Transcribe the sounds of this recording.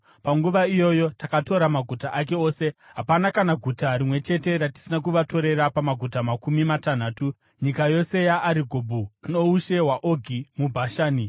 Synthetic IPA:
paŋɡuʋaijo̞jo̞takato̞ɾamaɡʱutaʔake̞o̞ːse̞ɦapanakanaɡʱutaɾimwe̞t͡ʃe̞te̞ɾati̥sinak̬uʋato̞ɾe̞ɾapamaɡʱutamakumimatan̤aːtu | ɲikajo̞se̞jaʔːɾiɡʱobʱuno̞uʃe̞ɦwaʔo̞ɡʱimubʱaʃaːni

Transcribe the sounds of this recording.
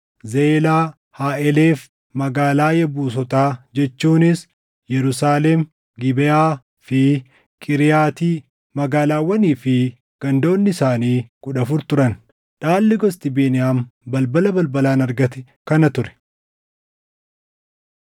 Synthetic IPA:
zeːlaː | haːʔɛleːf | mɐɡaːlaːjɐbuːsɔt̪aːd͡ʒɛt͡ʃːuːnɪs | jɛɾʊsaːlem | ɡɪbɛjaː | fɪ | kʼɪɾɪjaːt̪iː | mɐɡaːlaːwːɐniːfɪ | ɡ̥ɐnd̪o̞ːnːɪsaːniːkʼʊᶑɐfʊɾt̪ʊɾɐn | ᶑaːlːɪɡɔst̪ɪbeːnɪjaːmbɐlbɐlɐbɐlbɐlaːnɐɾɡɐt̪ɛ | kɐnɐt̪ʊɾɛ̥

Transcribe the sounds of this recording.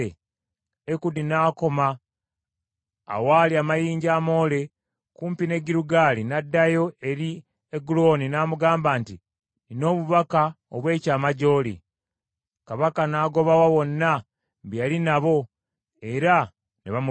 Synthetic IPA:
e | ekudinaːko̞ma | waːliamajiːɲɟaːmo̞ːle̞ | kuːmpine̞ɡiɾuɡaːlinadːajo̞e̞ɾi | eɡulo̞ːninaːmuɡaːmbaːnti | nino̞ːβuβaka | oβwe̞ːcaːmaɟo̞ːlḭ | kaβakanaːɡo̞βawawo̞nːa | βjalinaβo̞ | e̞ɾa | niβamu

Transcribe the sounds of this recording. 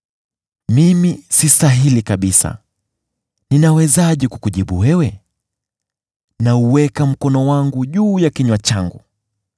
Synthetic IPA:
mimisistaɦilikaɓisa̰ | ninawɛzaʄɛkukuʄiɓṵwɛwɛ | nauwɛkam̩kɔnɔwaŋɡuʄuːjakiɲwat͡ʃaŋɡṵ

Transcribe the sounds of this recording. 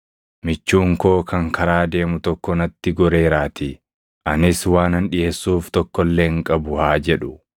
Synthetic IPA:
mɪt͡ʃːuːŋko̞ːkʰɐŋkʰɐɾaːd̪e̞ːmʊt̪ɔkːɔnɐt̪ːɪɡɔɾe̞ːɾaːt̪ɪ | ʔɐnɪswaːnɐnᶑɪʔeːsːuːft̪ɔkːɔlːeːŋkʼɐbʊhaːd͡ʒɛᶑʊ

